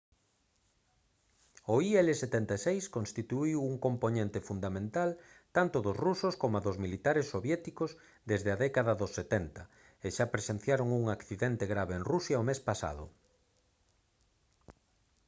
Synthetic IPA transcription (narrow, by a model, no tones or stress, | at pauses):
oiɛleset̪ent̪asejskõnst̪it̪uiwuŋkomponẽnt̪efund̪amẽnt̪al | t̪ant̪ʊðʊsrusʊskomaðʊzmilit̪aɾesːoβjɛt̪ikʊz | d̪ezðeaðɛkaðɐðosːet̪ɛnt̪ɐ | eʃapɾesen̟θjaɾoŋuŋakθiðɛnt̪eɣɾaβeeŋrusjaomespasa̰ðʊ̰